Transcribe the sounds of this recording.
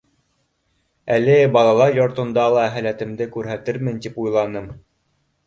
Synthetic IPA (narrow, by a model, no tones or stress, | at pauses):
ælɘbɑlˠɑlˠɑɾjŏɾt̪ŏnd̪ɑlˠɑæɦælæt̪ɘ̆md̪ɘkʉɾɦæt̪ɘɾmɘnt̪ipujlˠɑnɤm